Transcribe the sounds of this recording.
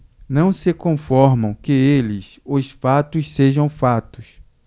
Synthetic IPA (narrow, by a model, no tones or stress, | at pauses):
nɐ̃w̃sɪkõfɔɾmɐ̃w̃kɪelɪs | ʊsfat̪ʊsseʒɐ̃w̃fat̪ʊs